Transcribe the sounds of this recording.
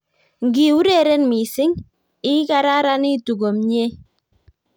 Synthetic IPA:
ŋɡi˨u˦ɾe˦˨ɾɛ˦nmi˨sɪ˦ŋ | ɪ˦ka˦ɾa˦ɾa˦ni˦tu˨ɡo˨mɲe˦

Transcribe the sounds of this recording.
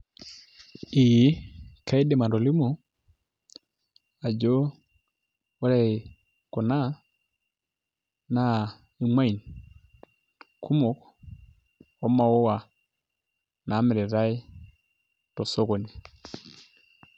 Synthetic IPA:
i˨jkʰa˨˦i˦dɛ˨ma˨ndɔ˨li˦mɔ˨ | a˨d͡ʒɔ˦ | wɔ˦ɾa˨ | kɔ˨na˦ | na˨ | i˨ma˦i˨n | kʰu˦mɔ˨k | ɔ˨˦ma˨ɔ˦wa˨ | na˨˦mɛ˨ɾɛ˨ɾa˦i˦ | tɔ˨sɔ˦ɣɔ˨ni˨

